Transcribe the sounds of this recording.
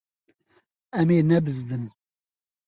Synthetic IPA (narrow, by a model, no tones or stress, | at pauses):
ɛmeːnɛbɨzd̪ɨn